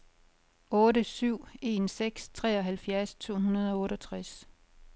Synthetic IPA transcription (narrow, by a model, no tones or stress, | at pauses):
ɔ̽ːɾəsyʊ̰e̝ːnseɡ̥st͡sʰʁɛːɒ̽ɦælfjæɐst͡sʰo̝̰ːɦunɐð̞ˠɒ̽ɔ̽ːɾɒt͡sʰʁas